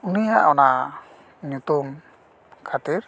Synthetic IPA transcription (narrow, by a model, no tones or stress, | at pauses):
unijaʔɔna | ɲut̪um | kʰat̪iɾ